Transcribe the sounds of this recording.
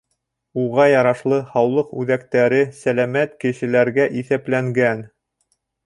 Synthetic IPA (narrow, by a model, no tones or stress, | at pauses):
uʁɑjɑɾɑʃlˠɤhɑwlˠɤqʉðækt̪æɾɘsælæmæt̪kɘ̆ʃɘ̆læɾɡæʔiθæplæŋɡæn